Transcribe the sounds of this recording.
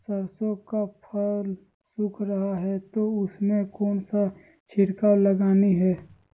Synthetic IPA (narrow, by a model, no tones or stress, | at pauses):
səɾsõkapʰəl | sʊkʰɾɐɦaɦɛt̪oʊsmẽkɔːnsa | t͡ʃʰɪɾkaləɡaːniɦɛː